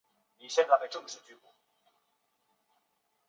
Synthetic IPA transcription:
ni˨˩ɕjɛ˥˧nt͡sa˥˩a˧ʈ͡ʂɤ˥˧ŋ˩ʂɻ̩˥˩t͡ɕy˥ku˨˩˦

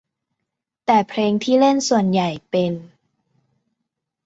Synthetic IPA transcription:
t̪ɛː˨˩pʰɾeː˧ŋt̪ʰiː˥˩le˥˩nsu˨˩ənja˨˩jpe˧n

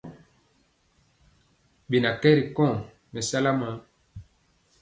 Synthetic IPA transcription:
bi˨na˨kɛ˦ɾi˨kɔ̃˦˨ | mɛ˨sa˦la˦ma˨˦

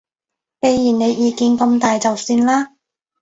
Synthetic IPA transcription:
ke˧jːiː˨˩ne˨˧jjiː˨˧kiː˨˧nkɐ˧mt̪aː˨jt͡sɐ˨wsiː˧nlaː˥

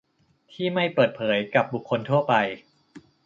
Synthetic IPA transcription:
t̪ʰiː˥˩ma˥˩jpɤː˨˩t̪̚pʰɤː˩˦jka˨˩p̚bu˨˩kʰːo˧nt̪ʰu˥˩ɐpa˧j

